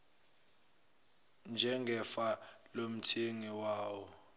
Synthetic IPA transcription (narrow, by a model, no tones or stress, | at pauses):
nd͡ʒʱɛŋɡʱɛfalom̩tʰeŋiwaːwɔ